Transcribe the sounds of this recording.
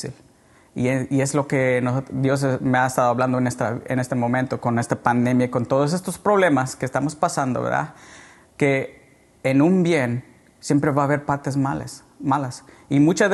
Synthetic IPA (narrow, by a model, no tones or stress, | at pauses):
il | ieie̞zlo̞ke̞nosot̪d̪jo̞s̬emeaest̪aðoaβland̪oenest̪ɾaene̞st̪e̞mõ̞mẽnt̪o̞ko̞ne̞st̪apand̪e̞mjaiko̞nt̪o̞ð̞os̬e̞st̪o̞spɾo̞β̞le̞maskest̪amo̞spasand̪o̞βḛɾða̰ | ke̞ː | nũmbje̞n | sje̞mpɾe̞βaːβe̞ɾpaɾt̪e̞zmal̰s | malas | imut͡ʃa